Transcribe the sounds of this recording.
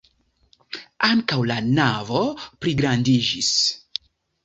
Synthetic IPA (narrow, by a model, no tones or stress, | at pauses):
aŋkawlanavopɾiɡɾandid͡ʒis